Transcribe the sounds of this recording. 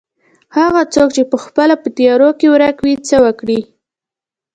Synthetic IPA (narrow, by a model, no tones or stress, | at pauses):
haɣat͡sok̚t͡ʃepəxpəlapət̪ijɑɾokewɾakwit͡səwəkɽi